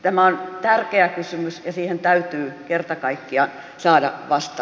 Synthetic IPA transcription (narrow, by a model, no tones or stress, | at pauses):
t̪æmæont̪ærkeækysymysjɑsiːhent̪æyt̪yːkert̪ɑkɑikːiɑn | sɑːdɑ̰ʋɑst̪ɑ